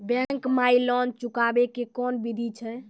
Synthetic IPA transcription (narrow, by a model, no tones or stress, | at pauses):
bɛ̃ŋkmailɔnt͡ʃukabekekɔnbid̪ʱit͡ʃʰɛ